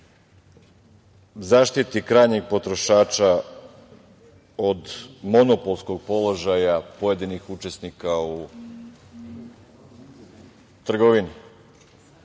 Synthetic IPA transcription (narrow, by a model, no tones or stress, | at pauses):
zaːʃt̪it̪ikɾaːjɲeɡ̚po̞t̪ɾo̞ʃaːt͡ʃa | od̪mo̞nopo̞lˠsko̞ɡ̚po̞lˠo̞ʒajapoje̞d̪inixut͡ʃe̞snikau | t̪r̩ɡoʋini